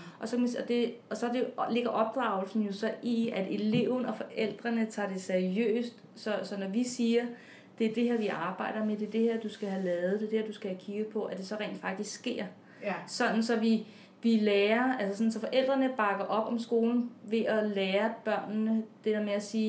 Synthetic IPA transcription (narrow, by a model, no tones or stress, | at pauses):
ʔɒ̽sɒ̽kʰsɒ̽d̥e̝ɒ̽sɒdele̝ɡ̥ɐʔɒ̽b̥̚d̥ʁɑ̈ʊl̩sn̩jo̝sɒ̽ʔiæd̥e̝le̝ʊðˠn̩ɒ̽fɒ̽ʔel̰d̥ʁɐnət͡sʰɑ̈ːd̥e̝seɐʁiø̰ːsd̥ | sɒ̽sɒ̽nɒʋisiːɐ | d̥e̝æɐd̥e̝heɐ̰ʋiʔɑ̈ːb̥ɑ̈ɪ̰ɾ̥ɐmed̥e̝ɐd̥e̝heɐd̥usɡ̥æɦælɛːð̩ˠd̥e̝d̥eheɛɐ̰d̥usɡ̥æhækʰiɡ̥ð̩ˠpʰɒ̽ʔæd̥e̝sɒ̽ʁɛ̰ːnd̥fɑ̈ɡ̥̚d̥isɡ̥sɡ̥e̝̰ɐ̰ | sɒ̽n̥n̩sɒ̽ʋi | ʋileːɐælsəsɒ̽n̩sɒ̽fɒ̽ʔel̰d̥ʁɐnəb̥ɑ̈ɡ̥ɐʔɒ̽b̥ɒ̽msɡ̥o̝ːln̩ʋe̝ʔɒleːɐb̥ɶɐ̰nːəd̥eheɐmeæsiː